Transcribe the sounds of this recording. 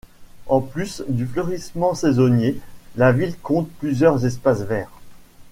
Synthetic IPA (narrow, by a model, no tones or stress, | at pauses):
ɑ̃plysd̪yflœʁismɑ̃sezonjelavilkɔ̃t̪̚plyzjœʁzɛspasvɛːʁ